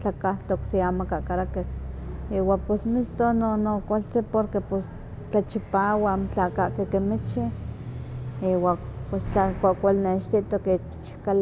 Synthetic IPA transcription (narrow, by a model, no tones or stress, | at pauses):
t͡ɬakaht̪oksiamakaʔkaɾakesiwapesmist̪ononokʷalt͡sipoɾkepos | t͡ɬat͡ʃipaːwant͡ɬakaʔkekemit͡ʃi | iwapest͡ɬakʷaʔkʷalneʃt̪it̪okit͡ʃt͡ʃkal